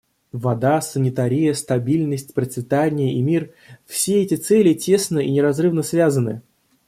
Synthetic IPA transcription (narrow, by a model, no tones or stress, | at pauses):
vɐd̪asənʲɪt̪aɾʲɪjəst̪ɐbʲilʲnəsʲtʲpɾət̪svʲɪt̪anʲɪjəʔimʲir | fsʲeɛtʲɪt̪sɛlʲɪtʲe̞snəinʲɪɾɐzrɨvnəsvʲazənɨ̰